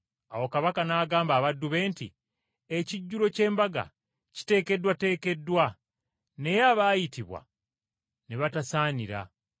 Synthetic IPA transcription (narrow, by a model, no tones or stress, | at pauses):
awo̞kaβakanaːɡaːmbaːβadːuβe̞ːntḭ | eciɟːulo̞ce̞ːmbaɡa̰ | ci̥te̞ːke̞dwate̞ːke̞dːwa | ne̞jaβaːjitiβwa̰ | neβatasaːniɾa̰